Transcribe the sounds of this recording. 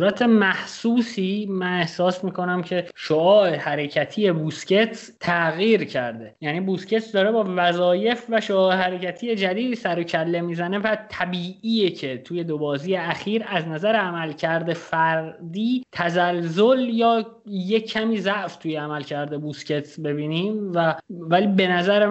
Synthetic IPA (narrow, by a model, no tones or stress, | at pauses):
uːɾæt̪ʰe̞mæhsuːsiːmæne̞hsɒːsmiːko̞næmcʰe̞ʃoɒːʔehæɾecʰæt̪ʰiːje̞busce̞t̪ʰ | t̪ʰæɣiːɾcʰæɾd̪e̞jæːniːbusce̞t̪d̪ɒːɾebɒːvæzɒːje̞fvæʃoɒːehæɾe̞cæt̪ʰiːje̞d͡ʒæd̪iːd̪iːsæɾo̞cʰælːe̞miːzæne̞væt̪ʰæbiːʔiːjecʰe̞t̪ʰuːje̞d̪obɒːziːjeæxiːɾæznæzæɾeæmælcʰæɾd̪e̞fæɾd̪iːt̪ʰæzælzo̞ljɒː | jecʰːæmiːzæʔft̪ʰuːjeæmælcʰæɾd̪ebusce̞t̪ʰbe̞biːniːmvævæliːbe̞næzæɾe